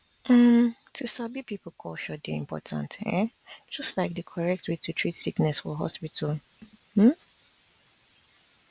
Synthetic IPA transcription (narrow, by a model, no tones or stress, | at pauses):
ʔamtʰusabipipl̩kʰɔlʃɔdḛḭ̃mpʰɔ̰tʰã̰ntɛ̰̃ | d͡ʒ̥ʌstlaɪk̚dəkʰɔɹɛk̚twetʰutʰɹitsiknɛsfɔɦɔ̰spitʰal | m̩